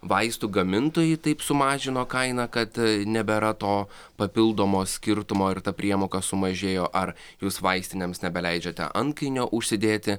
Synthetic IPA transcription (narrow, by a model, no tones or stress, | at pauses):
ʋɐɪst̪uːɡɐmʲɪnt̪oːjɪt̪ɐɪpsʊmɑːʒʲɪnoːkɐɪnɐkɐt̪nʲɛbʲɛɾɐt̪oː | pɐpʲɪlˠd̪oːmoːsʲkʲɪɾt̪ʊmoːɪɾt̪ɐpʲɾʲiɛmoːkɐsʊmɐʒʲeːjoːʔɐɾ | juːsʋɐɪsʲt̪ʲɪnʲeːmsnʲɛbʲɛlʲɛɪd͡ʒʲɛt̪ʲɛ̰ʔɐŋkɐɪnʲoːʔʊʃʲsʲɪd̪ʲeːt̪ʲɪ